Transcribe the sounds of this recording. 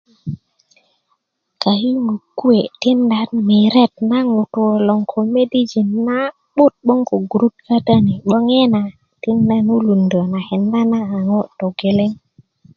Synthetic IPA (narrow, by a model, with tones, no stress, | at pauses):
ka˨hi˦ŋu˨kːu˦e˨ti˦nda˦nmi˨ɾe˦˨t̚na˦ŋu˨tu˨lɔ˨ŋkʰo˨me˦di˦d͡ʒi˨nːa˦ | ɓu˦t̚ɓo˦ŋko˨ɡu˨ɾu˦t̚ka˦ta˦ni˨ɓo˦ŋe˦na˨ | ti˦nda˦nu˦lu˨ndo˨na˨he˨nda˦naː˦˨ŋo˦to˨ɡe˨le˦ŋ